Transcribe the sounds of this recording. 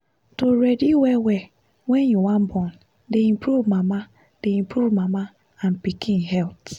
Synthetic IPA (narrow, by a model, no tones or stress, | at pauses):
toɾediwɛwɛ | wɛnjuwãm̩bɔn | deĩpɾuvmama | d̥eĩm̩pɾuvmama | an̩pikinɦɛlt